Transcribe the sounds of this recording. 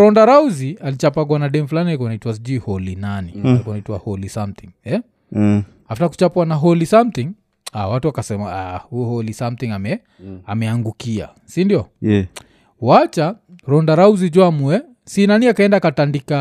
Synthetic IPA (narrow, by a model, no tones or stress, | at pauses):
ɾɔndaɾauzialit͡ʃapaɡwanaɗɛm̩ifulanihɛkɔanaitwas̬id͡ʒuihɔlinaniɛkɔanaitwa̰hɔlisamt̪iŋɛ | haftaku̥t͡ʃapuwanaɦɔlisamt̪iŋ | awatuakasɛmaahujɔhɔlisamt̪iŋamɛ | a̰mɛaŋɡukia̰ | sindiɔ | wat͡ʃaɾɔndaɾauzid͡ʒwamuɛ | sinaniakaɛndaːkatandika